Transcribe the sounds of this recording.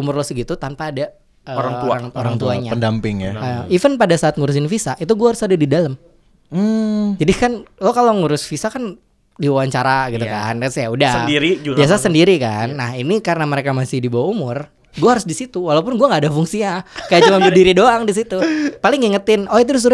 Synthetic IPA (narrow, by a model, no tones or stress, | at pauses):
umʊrlɔsɪɡit̪ut̪anpaːda | əɾaŋuaŋoɾaŋt̪uaɲaəndampɪŋjaəifənpadasaːt̪̚ŋuɾʊs̬ɪnfisaʔit̪̬uɡuahaɾʊsadadidaləm̩ | d͡ʒadikanlɔkaloŋuɾʊsfisakan | diwawaɲt͡ʃaɾaɡit̪ukanksjaudaədiɾibiasasəndiɾikanːahinikaɾənaməɾekamasɪhdibawaumʊr | ɡuahaɾʊsdisit̪uwalaup̬ʊnɡuaŋɡaːdafuŋsiɲakajaʔt͡ʃumanbədiɾidoaŋdis̬it̪upalɪŋiŋət̪ɪnɔit̪̬udʊs̬uɾ